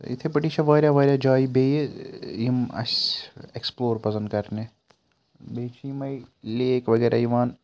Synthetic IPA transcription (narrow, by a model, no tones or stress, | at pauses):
ɪ̰t̪ʰepɐʈiːʃaʋaːɾjaʋaːɾjad͡ʒaːibeːjeimɐ̰seksploːɾpɐsə̃nd̪̚kɐɾne | beːt͡ʃʰimɐilieːkʋɐɡɛːɾʔa̰iʋaːn